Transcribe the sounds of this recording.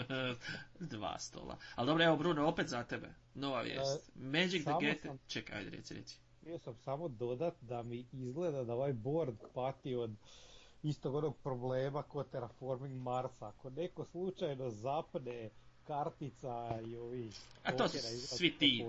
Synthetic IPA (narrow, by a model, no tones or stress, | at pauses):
d̪ʋa̰ːst̪o̰ːlˠa̰alˠd̪o̞bɾoeʋobɾuːnoopet̪zat̪ebḛ | no̞ʋa̰ʋjḛst̪med͡ʒikd̪eaɡet̪mt͡ʃeka̰jd̪ɾḛt̪sʲiɾḛt̪si̥ | biosamsamo̞d̪o̞d̪at̪d̪amiizɡled̪ad̪ao̞ʋajbo̞ɾd̪pat̪io̞d̪ | ist̪o̞ɡo̞no̞ɡ̚pɾo̞bleːmako̞t̪eɾafoɾmiŋɡmaɾsaːko̞ne̞ko̞slˠut͡ʃajno̞zapnekaɾt̪it̪saio̞ʋiaooːsinaizɾasʋit̪iː